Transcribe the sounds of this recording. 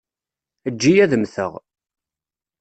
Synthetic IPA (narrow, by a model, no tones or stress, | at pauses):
əd͡ʒːijæðəmθə̰ʁ